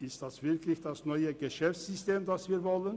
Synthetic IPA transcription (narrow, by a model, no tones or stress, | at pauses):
ɪsstd̥asv̥ɪɐklɪçd̥asnɔʏəɡəʃɛft͡sz̥ʏsteːmdasv̥iːɐvɔlən